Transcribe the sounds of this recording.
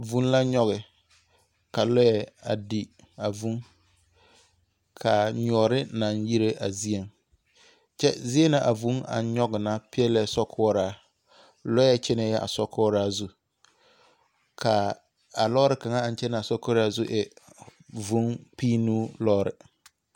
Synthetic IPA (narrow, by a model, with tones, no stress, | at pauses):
vu˦n˦la˦ɲɔ˦ɣɪ˨ | ka˨lɔ˦jɛ˦a̰˨di˨ | a˨vu˦ŋ | kʰa˨ɲɔ˨˦ɾɪ˦na˨nji˦ɾe˦ʔa˨zi˦e˨ŋ | t͡ʃɛ˦zi˦e˦na˨ʔa˨vu˨˦ŋa̰˨ɲɔ˦ɡɪ˨na˦pɪ˦ɛ˦lɛ˦sɔ˦kʰɔː˦ɾaː˦˨ | lɔ˦ɛ˦t͡ʃɛ˦nɛ˨˦jɛ˦ʔa̰˨sɔ˦kʰɔː˦ɾaː˦zu˦ | kʰa˨ | a˨lɔː˦ɾɪ˨ka˨ŋa˦a˨nt͡ʃɛ˦na˨sɔ˦kɔ˦ɾa˦zu˦ʔɛ˨ | vu˨˦ŋpiː˦nu˦lɔː˦ɾɪ̰˨